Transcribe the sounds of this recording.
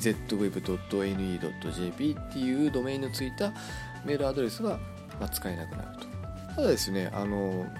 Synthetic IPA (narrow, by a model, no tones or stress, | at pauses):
ze̞t̪ːo̞βe̞bɯ̟d̪o̞t̪ːo̞e̞nɯ̟iːd̪o̞̰t̪ːo̞̰ʑe̞ːpʲiːt̪ːe̞jɯ̟ːd̪o̞me̞ːĩnːot͡sɨit̪a | me̞ːɾɯad̪o̞ɾe̞sɨɡa | mat͡sɨ̥kainat̪ena̰ɯ̟̥t̪o̥ | t̪ad̪ad̪e̞sɨne̞ʔa̰no̞